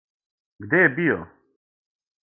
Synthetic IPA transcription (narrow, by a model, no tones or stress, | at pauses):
ɡd̪ebijo̰